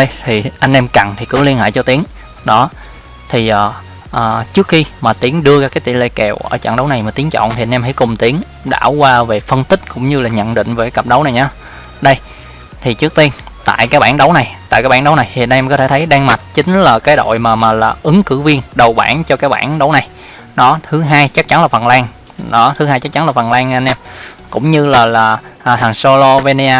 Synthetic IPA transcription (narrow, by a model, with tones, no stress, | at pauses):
ɗə˧jt̪ʰi˨˩ʔa˧jŋ̟ʔɛ˧mka˨˩nt̪ʰi˨˩kɨ̰˧˩˥li˧ənha̰ː˧˨jt͡ɕɔ˧t̪i˨˦əŋ | ɗɔ˨˦ | t̪ʰi˨˩ʔaː˨˩ | ʔəː˨˩t͡ɕɨ˦˥ək̚xi˧maː˨˩t̪i˨˦əŋɗɨ˧əzaː˧kaː˨˦jt̪ḭ˧˩lḛ˧˨kɛ˨˩wʔəː˧˩t͡ɕa̰˧˨ŋɗə˨˦wna˨˩jmaː˨˩t̪i˨˦ŋt͡ɕɔ̰˧˨nt̪ʰi˨˩ʔa˧nɛ˧mha̰˧˥˩jkʊ˨˩ŋ͡mt̪i˨˦əŋ | ɗa̰ː˧˩wkwaː˧ve˨˩fə˧nt̪ï˦˥k̟̚kʊ̰˧˥ŋ͡mɲɨ˧laː˨˩ɲə̰˧˨nɗḭ˧˨ŋ̟veː˨˩kːa˨˦kə˨˩p̚ɗə˨˦wna˨˩jɲaː˨˧˦ | ɗə˧j | t̪ʰi˨˩t͡ɕɨ˦˥ək̚t̪i˧ənt̪a̰ː˧˨jkaː˨˦jɓa̰ː˧˩nɗə˨˦wna˨˩jt̪a̰ː˧˨kaː˦˥jɓaː˧˥ɗə˨˦wna˨˩jhḭ˧˨ən˧mkɔ˨˦t̪ʰe˧˩t̪ʰə˨˦jɗaː˧ŋma˨˩t̚t͡ɕï˨˦ŋ̟laː˨˩kaː˨˦jɗo̰˧˨jmaː˨˩maː˨˩laː˨˩ʔɨ˨˦ŋkɨ˧˥vi˧ənɗə˨˩wɓaː˧˩nt͡ɕɔ˧kaː˨˦˥j̚ɓa̰ː˧˩nɗə˨˦wna˨˩j | ɗɔ˨˦t̪ʰɨ˨˦ɦaː˧jt͡ɕa˦˥k̚t͡ɕa˨˦nlaː˨˩fə˨˩nlaː˧ŋ | ɗɔ˨˦t̪ʰɨ˨˦ɦaː˧jt͡ɕa˦˥k̚t͡ɕa˨˦nlaː˨˩fə˨˩nlaː˧ŋ˧a˧nʔɛ˧m | kʊ̰˧˥ŋ͡mɲɨ˧laː˨˩laː˨˩ʔːt̪aː˨˩nso˧lo˧ve˧ni˧aː˧